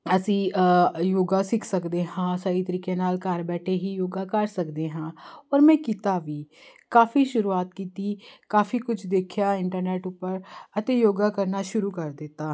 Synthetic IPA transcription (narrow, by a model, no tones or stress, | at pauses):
əsĩːjoːɡaːsɪkʰsəkd̪eːɦãːsaːɾiːt̪əɾiːkẽːnaːlkaːɾbɛːʈʰeːɦiːjoːɡaːkəɾsəkd̪eːɦãːɔːɾmɛ̃ːkit̪aːʋiːkaːfʰiːʃʊɾuːaːt̪̚kiːt̪iːkaːfiːkʊt͡ʃʰd̪eːkʰjaːɪɳʈəɾneːʈʊpːəɾət̪eːjoːɡaːkəɾnaːʃʊɾuːkəɾd̪ɪt̪ːaː